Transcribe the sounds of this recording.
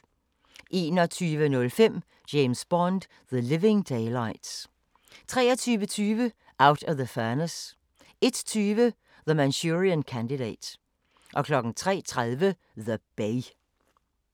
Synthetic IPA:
ʔe̝̰ːnɒt͡sʰyːʋənɔ̽lfem̰ | d͡ʒ̥eɪmsb̥ɒnd̥ | ðəlɪʋẽŋd̥eɪlɑɪd̥s | t͡sʰʁɛ̰ːɐt͡sʰyːʋət͡sʰyːʋə | ʔaʊɾɒʋðəfɛɐnəs | e̝d̥t͡sʰyːʋə | ðəmænsuʁiənkʰænd̥iɾḛɪd̥ | ʔɒ̽kʰlɒ̽ɡ̥n̩t͡sʰʁɛ̰ːt͡sʰʁaðˠʋə | ðəb̥eɪ

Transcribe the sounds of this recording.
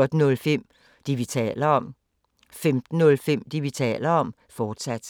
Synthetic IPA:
ɔd̥nɔ̽lfem̰ | d̥iʋit͡sʰɛ̰ːlɐɒ̽m̰ | femd̥n̩ːɔ̽lfem̰d̥iʋit͡sʰɛ̰ːlɐɒ̽m̰ | fɒːd̥sæd̥

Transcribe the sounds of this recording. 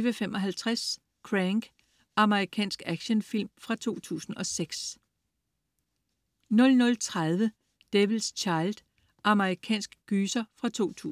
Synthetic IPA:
ʋəfemɒ̽ɦælt͡sʰʁas | kʰʁæŋɡ̥ | ʔɑ̈məʁikʰɛ̰ːnsɡ̥æɡ̥ɕənfil̰mfʁɑ̈t͡sʰo̝̰ːt͡sʰṵːsn̩ɒ̽seɡ̥s | nɔ̽lnɔ̽lt͡sʰʁað̞ˠʋə | d̥eʋiðˠst͡ɕʰɑ̈ɪld̥ | ʔɑ̈məʁikʰɛ̰ːnsɡ̥ɡ̥yːsɐfʁɑ̈t͡sʰo̝̰ːt͡sʰṵ

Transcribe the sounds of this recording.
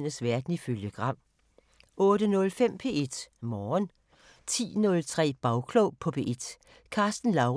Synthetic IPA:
n̰əsʋæɐd̥n̩iføljəɡ̥ʁɑ̈m̰ | ɔ̽ːd̥ənɔ̽lfem̰pʰe̝̰ːe̝d̥mɒːn | t͡sʰḭːnɔ̽lt͡sʰʁɛ̰ːb̥ɑ̈ʊkʰloʊpʰɒ̽pʰe̝̰ːe̝d̥ | kʰɑ̈ːsd̥n̩lɑ̈ʊ

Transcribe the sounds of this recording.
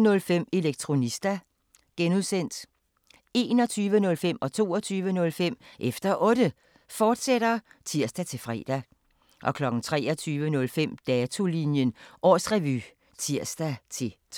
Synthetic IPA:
nɔ̽lfem̰e̝leɡ̥̚t͡sʰʁo̝nisd̥æ | ɡ̥enuðˠsen̰d̥ | e̝̰ːnɒ̽t͡sʰyːʋənɔ̽lfem̰ɒ̽t͡sʰo̝̰ːɒt͡sʰyːʋənɔ̽lfem̰ʔefd̥ɐʔɔ̽d̥ə | fɒːd̥seɾ̥ɐt͡sʰiɐ̰sd̥æt͡sʰe̝lfʁɛ̰ːd̥æ | ʔɒ̽kʰlɒ̽ɡ̥n̩t͡sʰʁɛ̰ːɒt͡sʰyːʋənɔ̽lfem̰d̥ɛːt͡sʰo̝linjənʔɒ̰ːsʁɛʋy̰ː | t͡sʰiɐ̰sd̥æt͡sʰe̝

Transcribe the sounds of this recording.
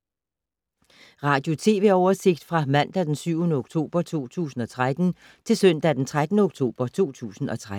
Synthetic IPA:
ʁɑ̈ːd̥jo̝t͡sʰe̝ːʋe̝ɒʊɐse̝ɡ̥̚d̥fʁɑ̈mæn̰d̥æd̥ensyʊnəoɡ̥t͡sʰo̝̰ːb̥ɐt͡sʰo̝̰ːt͡sʰṵːsn̩ɒ̽t͡sʰʁad̥n̩ | t͡sʰe̝lsœn̰d̥æd̥ent͡sʰʁad̥nəoɡ̥̚t͡sʰo̝̰ːb̥ɐt͡sʰo̝̰ːt͡sʰṵːsn̩ɒ̽t͡sʰʁa

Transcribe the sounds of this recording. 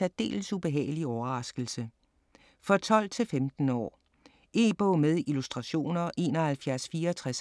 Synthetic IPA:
æd̥e̝̰ːlsub̥e̝ɦɛ̰ːɪliɒʊɐʁɑ̈sɡ̥l̩sə | fɒ̽t͡sʰɒ̽l̰t͡sʰe̝lfemd̥n̩ɒ̰ː | e̝̰ːb̥ɔːmeð̞ˠilusd̥ʁɑ̈ɕo̝̰ːnɐʔe̝̰ːnɒ̽hælfjæɐsfiːɐːt͡sʰʁas

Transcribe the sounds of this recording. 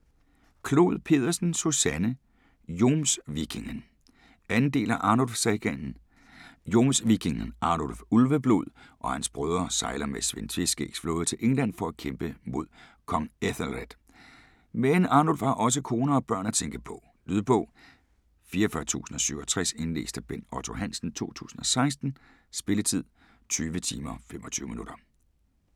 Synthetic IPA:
kʰlo̝̰ðˠpʰe̝̰ːðˠɐsn̩susænə | jo̝ːmsʋiɡ̥ʰe̝ŋən | ænn̩d̥e̝̰ːlæʔɑ̈nolfsæɡ̥ænn̩ | jo̝msʋiɡ̥ʰeŋnʔɑ̈ːnolfulʋəb̥loð̰ˠʔɒ̽hænsb̥ʁœːð̞ˠʁɐsɑ̈ɪlɐmesʋent͡sʰʋesɡ̥eɡ̥sflo̝ːðˠɐt͡sʰe̝lʔeŋlæn̰fɒ̽ækʰemb̥əmo̝ð̞̰ˠ | kʰɒ̽ŋeθlʁed̥ | menɑ̈ːnolfhɑ̈ʔɒ̽s̬əkʰo̝ːnɐɒ̽b̥ɶɐ̰næt͡sʰeŋɡ̥əpʰɒ̽ | lyðˠpʰɔ̽ | fiːɐɒfɶɐt͡sʰṵːsn̩ɒ̽syʊ̰ɒt͡sʰʁase̝nle̝̰ːsd̥əb̥enɒt͡sʰo̝ɦæn̰sn̩t͡sʰo̝̰ːt͡sʰṵːsn̩ɒ̽sɑ̈ɪsd̥n̩ | sb̥e̝lət͡sʰið̰ˠ | t͡sʰyːʋət͡sʰiːmɐfemɒ̽t͡sʰyːʊminuɾ̥ɐ

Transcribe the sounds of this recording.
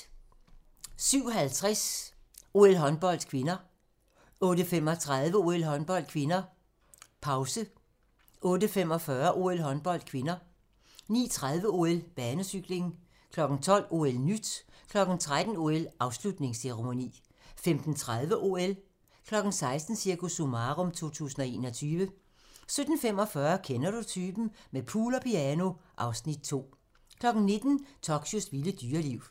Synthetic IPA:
syʊ̰ɦælt͡sʰʁas | o̝ːelɦɒ̽nb̥ɒ̽l̰d̥kʰʋe̝nɐ | ɔ̽ːdəfem̰ɒ̽t͡sʰʁaðˠʋəo̝ːelɦɒ̽nb̥ɒ̽l̰d̥̚kʰʋe̝nɐ | pʰɑ̈ʊsə | ʔɔ̽ːdəfem̰ɒ̽fɶɐʔo̝elɦɒ̽nb̥ɒ̽l̰d̥̚kʰʋe̝nɐ | nḭːt͡sʰʁað̞ˠʋəo̝ːelb̥ɛːnəsyɡ̥le̝ŋn̩ | kʰlɒ̽ɡ̥n̩t͡sʰɒ̽l̰o̝elnyd̥kʰlɒ̽ɡ̥n̩t͡sʰʁad̥n̩o̝ːelʔɑ̈ʊslud̥ne̝ŋseʁemo̝nḭː | femd̥n̩t͡sʰʁaðˠʋəʔo̝el | kʰlɒ̽ɡ̥n̩sɑ̈ɪsd̥n̩siɐkusumɑːʁɔmt͡sʰo̝̰ːt͡sʰṵːsn̩ɒ̽e̝̰ːnɒ̽t͡sʰyːʋə | sød̥n̩femɒ̽fɶɐkʰenɐɾ̥ut͡sʰyːb̥n̩mepʰuːlɒpʰiæno̝ʔɑ̈ʊsnid̥̚t͡sʰo̝̰ː | kʰlɒ̽ɡ̥n̩ne̝d̥n̩t͡sʰɒɡ̥ɕosʋiləd̥yːɐliʊ̰

